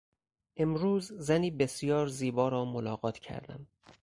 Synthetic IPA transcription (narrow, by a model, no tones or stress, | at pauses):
ʔe̞mɾuːzzæniːbe̞sijɒːɾziːbɒːɾɒːmolɒːɣɒːt̪ʰcʰæ̰ɾd̪æ̰m